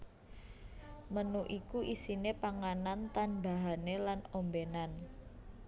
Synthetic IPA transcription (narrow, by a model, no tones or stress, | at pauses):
mənuʔikuʔisinepaŋanant̪anbaɦanelanombenan